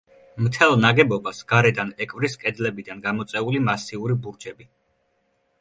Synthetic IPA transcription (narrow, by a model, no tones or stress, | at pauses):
mt̪ʰɛlˠnaɡɛbɔbasɡ̥aɾɛd̪anɛkʼvɾiskʼɛd̪zlɛbid̪anɡamɔt̪sʼɛulimasiuɾibuɾd͡ʒɛbi